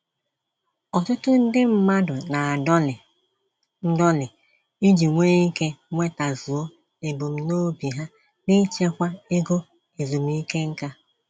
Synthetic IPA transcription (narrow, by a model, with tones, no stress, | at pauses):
ɔ˨tʊ˦tʊ˦n̩˦dɪ˦m̩˦ma˦dʊ˨na˨˦˨ | n̩˦dɔ˦lɪ˨ | i˦d͡ʒi˨ŋʷeː˦i˦ke˦ŋʷe˦ta˨zu˨o˦ | e˨bo˨m̩˦no˦bi˨ɦa˦ | ni˦t͡ʃe˦kʷa˦e˦ɡo˦ | e˨zu˨m̩˦i˦ke˦ŋ̩˦ka˦